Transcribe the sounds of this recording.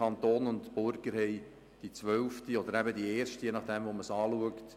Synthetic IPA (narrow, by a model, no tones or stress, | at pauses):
ɑnt̪oːnʊntb̥ʊɾɡ̥əɾhɛɪ | d̥it͡sʋœlftiɔd̪əɾæbədieːrʃtəjenɑχd̪̥ɛmvoməsɑːluəkt